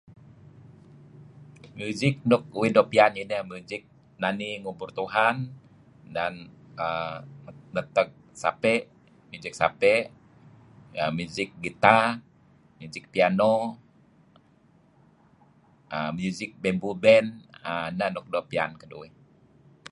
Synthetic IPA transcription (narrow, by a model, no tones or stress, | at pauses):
mjuzɪk̚nɔk̚uwidopianinəmuzɪk̚ | naniŋuburt̪uɦan | dan | ə | nət̪ək̚ | sa̰pɛʔ | mjud͡ʒɪk̚sa̰pɛʔ | əmjuzɪk̚ɡit̪a | mjuzɪk̚piano | əmjuzɪk̚bɛmbubɛnanənɔk̚dopia̰nkədṵwi